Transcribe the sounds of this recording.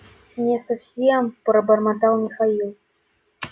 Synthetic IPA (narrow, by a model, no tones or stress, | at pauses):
nʲesɐfsʲempɾəbɐrmat̪ɑlˠmʲɪxailˠ